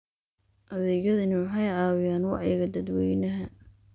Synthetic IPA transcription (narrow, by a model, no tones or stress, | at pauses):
ʔɐðɛjɐðɪnuħɑjʕɑːwɪjaːnwɑ̰ʕjɣɐd̪ɐd̪wɛːjnɐɦɐ